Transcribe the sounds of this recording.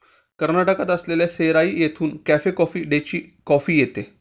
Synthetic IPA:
kəɾnaʈəkat̪əsleljaseɾaiːjet̪ʰuːnkæfekɔfiːɖet͡ɕiːkɔfiːjet̪e

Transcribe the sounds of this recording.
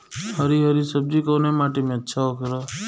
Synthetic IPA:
həɾiɦəɾisəb̚d͡ʒikoːnemaːʈimẽətːʃʰaokəɾo

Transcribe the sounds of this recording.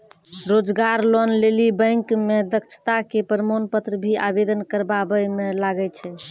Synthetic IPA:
ɾod͡ʒɡaɾlɔnlelibə̃jŋkmed̪ək̚t͡ʃʰt̪akepəɾmonpət̪ɾəbʱiʔabed̪ənkəɾbabəmelaɡɛt͡ʃʰɛ

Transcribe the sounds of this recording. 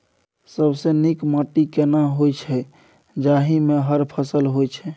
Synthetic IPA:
səbsenikmaʈikenaɦojt͡ʃʰɛ | d͡ʒaɦimeɦəɾpʰəsəlɦojt͡ʃʰɛ

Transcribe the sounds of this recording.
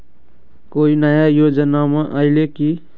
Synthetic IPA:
koːinəjajoːd͡ʒənamẽʔaɪleki

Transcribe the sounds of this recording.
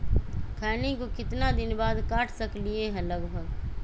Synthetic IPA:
kʰaːnekokɪt̪nad̪ɪnbaːd̪kaːʈʰsəklieɦɛ̃ləɡbʱəɡ

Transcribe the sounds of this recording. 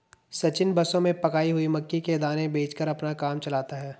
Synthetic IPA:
sɐt͡ʃɪnbɐsõmẽpɐkaːiɦʊimɐkːiked̪aːnẽbeːt͡ʃkəɾɐpnakaːmt͡ʃɐlaːt̪aɦɛː

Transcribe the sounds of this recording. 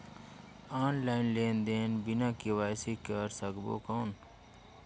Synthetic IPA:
aːnlaːinleːnd̪eːnbinãːkiwaːjsikaɾsɐɡbo̰ːkoːn

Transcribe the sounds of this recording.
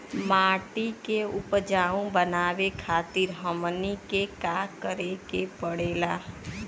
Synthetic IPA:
maːʈikeʊpd͡ʒaːũbənaːʋekʰaːt̪iɾɦəmnikekakəɾekepəɽeːlaː

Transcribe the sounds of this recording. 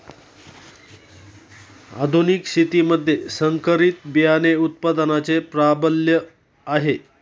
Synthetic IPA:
a̰d̪ʱuniksit̪iməd̪ʱːjesəŋkəɾit̪bijaneut̪̚pad̪ənat͡sepɾabəljə | aɦe

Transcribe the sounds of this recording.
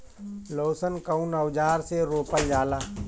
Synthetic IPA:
loːsənkəʊnəwd͡ʒaːɾseɾoːpəld͡ʒaːlaː

